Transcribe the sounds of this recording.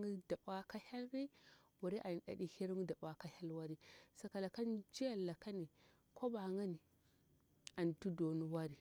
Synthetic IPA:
ŋi˦da˨ba˦ka˦ha˦lɾi˦ | wu˨ɾi˦ʔa˨n˨ɗa̰˨ɗi˦hi˦ɾŋu˦da˨ɓa˦ka˦ha˦lwa˦ɾi˦sa˨ka˨la˨ka˦nd͡ʒi˦ja˨lːa˨ka˦ni˨ | ko˦ba˨ŋa˦ni˨ | a˨n˨tu˦do˨nu˦wa˦ɾi˨

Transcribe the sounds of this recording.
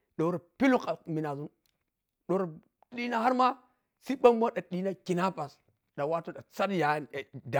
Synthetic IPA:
ɗo˨˦ɾa˨pi˦lu˦ka˨mi˨na˨zu˦n | ɗo˨ɾa˨ | ɗi˦na˦ha˦ɾma˦ | si˦ɓa˦mː˦a˦ɗa˨ɗi˦na˦ki˨na˦pa˨s | ɗa˨wa˦to˦da˨t͡sa˦dja˨˦˨da˨

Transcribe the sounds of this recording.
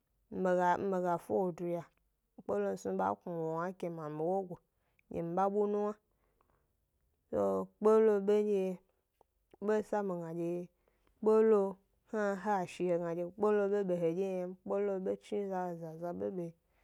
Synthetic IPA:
m̩˦e˨ɡa˨m̩˦be˨ɡa˨fo˦wo˨du˨ja˨˦ | k͡po˦lo˦n̩˦su˧˦ɓa̰˦ku˨wo˨wa˦kʲe˧ma˨mi˨wo˦ɡʷo˨˦ | d͡ʒḛ˨m̩˨ba˦ɓu˦nũ˦wa˦ | so˦k͡po˦lo˧e˦d͡ʒe˧˦ | be˦sa˦mi˨ɡa˨d͡ʒe˧˨ | k͡po˦lo˧ | ha˦ɦa˦˨ʃi˨he˨ɡa˨d͡ʒe˧k͡po˦lo˧be˦be˨ɦe˨d͡ʒe˦ja˧˦k͡po˦lo˧be˦t͡ʃi˦za˧˨za˨za˧be˦be˨

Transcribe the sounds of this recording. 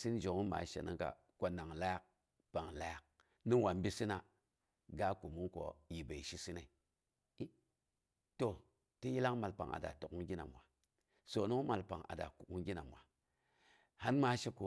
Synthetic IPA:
si˦nd͡ʒo˨ŋu˦ma̰˨˦ʃḛ˨nḭ˦ŋka̰˨ | ko˦na˨ŋla˦ja˦k̚ | pa˨ŋla˦ja˨k̚ | ni˦ŋ˦wa˨m˦bi˦si˦na˨ | ɡa˦ku˨mu˦ŋko̰˨ji˨be˨i˨ʃi˦si˦ne˨˦ | to˨ | ti˦ji˦la˦ŋma˨lpa̰˨ŋa̰˨da̰˨to˨ku˦ŋɡi˦na̰˨mwa˨ | so˨nu˦ŋ˦ma˨lpa˨ŋa̰˨da̰˨ku˨ku˦ŋɡi˦na˨mwa˨ | ha˦nma˨˦ʃe˦ko˨

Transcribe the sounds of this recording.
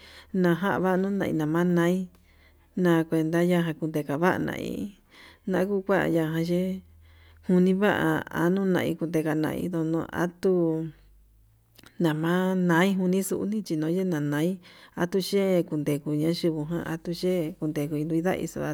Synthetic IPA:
nã˧ɦa˦ʔβa˦ʔnũ˦nã˧ḭ̃˧nã˨mã˦nã˧˦i˦ | nã˧kʷe˧nd̪a˦ja˦ɦã˧ku˧nd̪e˧ka˨βa˦ʔa̰˧nã̰˧˨ḭ˧ | nã˧ʔku˦kʷa˦ʔa̰˧ja˧ɦã˧ʒe˦ | hu˧nĩ˦βa˦ʔa̰˧a̰˧nũː˦nã˧ḭ˧ku˧nd̪e˧ka˧nã̰˧ḭ˧ðo˧nõ̰˧a̰˦t̪u˦ | nã˨mã˦nã˧˦i˦ɦu˧nĩ˦sṵ˧ʔṵ˦nĩ˦t͡ʃi˧nõː˨˦e˦nã˨nã˨˦i˦a˧t̪u˧ʃe˦˧ku˧nd̪e˨ku˨˧˨ɲã˧˦ʃi˧βu˧ɦã̰˧˦ʔa̰˧t̪u˧ʃe˦ku˧nd̪e˨ku˧i˧d̪ũ˧i˦ða̰˦ʔḭ˧so̰˧˨a˧

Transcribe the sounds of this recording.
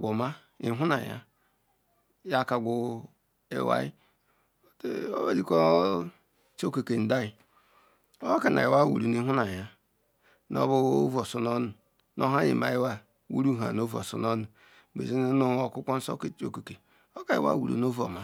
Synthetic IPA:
ɡʷo˨ma˦ | ḭ˦ɦu˦na̰˨ja̰˦ | ja˦ka˨ɡʷu˨ | ḛ˨wa̰˦i˦˨ | o̰˦ba˦di˨ko˦ | t͡ʃo˦ke˨ke˨n̩˨da˦i˨ | o˦ka˨na̰˨e˨wa˦wṵ˨ɾu˨n˦i˦ɦu˦na˨ja˦ | no̰˦bu˦o˦vo˨so˦no˦nu˨ | nʔo˦ɦa˦ɲḭ˨ma˦e˦wa˦ | wṵ˦ɾu˦ɦa̰˨no˦vo̰˨so̰˦no˦nu˨ | bḛ˨zi˦n˦no˦o˦ku˦kʷɔ˦n̩˦so̰˦ke˨t͡ʃo̰˦˨ko˨ke˨ | o˦ka˨ḭ˨˦wa̰˦wṵ˨ɾṵ˨no˦vo̰˨ma˦

